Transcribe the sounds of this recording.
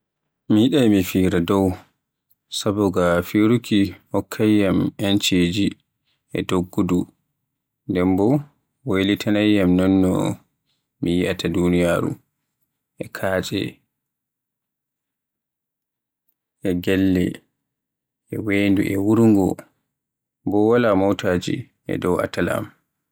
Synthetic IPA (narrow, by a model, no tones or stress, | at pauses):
mijiɗajmifiɾadɔw | sabɔɡafiɾukʰihɔkʰːajːamɛnt͡ʃed͡ʒi | ʔɛ̰doɡːudu | ndɛmbɔ | wolitʰanajːamnɔnːɔ̰ | mijiʔatʰadunijaːɾṵ | ʔɛkʰaːt͡ʃʼɛ̰ | ʔɛɡɛlːɛ̰ | ʔɛwendṵʔɛwuɾŋɡɔ | bɔwalamɔwtʰaːd͡ʒḭ | ʔɛ̰dɔwa̰tala̰m